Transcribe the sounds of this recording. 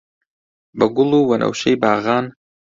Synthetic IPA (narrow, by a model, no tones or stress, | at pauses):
bɐɡʊlˠuːwɐnʔɐ̰wʃejbaːɣɑːn